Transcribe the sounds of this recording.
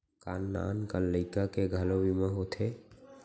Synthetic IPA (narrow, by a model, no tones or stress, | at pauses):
kaːnːa̰ːnkəlːəɪkakeɡʱəloʋimə̃ɦot̪ʰe